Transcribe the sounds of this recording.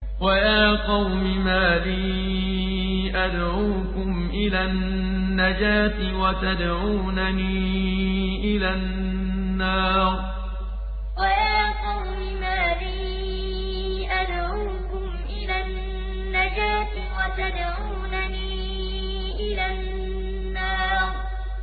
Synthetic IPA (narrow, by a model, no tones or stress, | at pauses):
wajaːqɑwmɪmaːliː | ʔad̪ʕuːkʊmʔɪlanː | ad͡ʒaːt̪ɪwat̪ad̪ʕuːnaniː | ʔɪlanː | ɑːɾ | wajaːqɑwmɪmaːliː | ʔad̪ʕuːkʊmʔɪlanː | ad͡ʒaːt̪ | wat̪ad̪ʕuːnaniː | ʔɪlanː | ɑːɾˤ